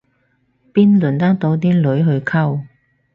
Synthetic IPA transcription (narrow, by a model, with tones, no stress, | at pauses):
piː˥nluː˨˩nt̪aː˥nt̪o˨˥wt̪̬iː˥lɵ˨˥ɥɦɵ˧ɥkʰɐ˥w